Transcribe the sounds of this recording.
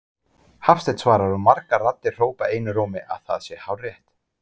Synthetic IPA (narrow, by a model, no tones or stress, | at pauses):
hafst̪ɛt̪svaːɾaɾɔmaɾkarat̪ːɪ̥r̥oːwpaeːjnʏɾoːmɪʔa̰ðθa̰ðsjɛhawrjɛht̪